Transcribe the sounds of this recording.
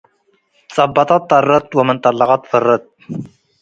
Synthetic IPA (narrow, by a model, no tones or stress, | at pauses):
sˤɑbːɑt̪ˤɑt̪ˤːɑrˤːɑt̪wamɪnt̪ˤɑlːɑqɑt̪fɑrˤːɑt̪̚ː